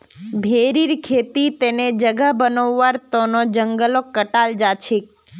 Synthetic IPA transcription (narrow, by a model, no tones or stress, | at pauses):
bʱeɾiɾkʰet̪it̪ened͡ʒəɡabənoʋːaɾt̪onod͡ʒəŋɡəlokːəʈald͡ʒat͡ʃʰik̚